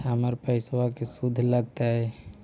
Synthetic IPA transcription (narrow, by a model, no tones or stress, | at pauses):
aməɾpəɪswakesud̪ʱːləɡ̚t̪aɦɛ